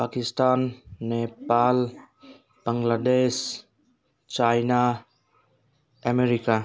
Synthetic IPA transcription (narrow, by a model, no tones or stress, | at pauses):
pakistanːepal | b̥aŋlades | t͡ʃajna | ameɾika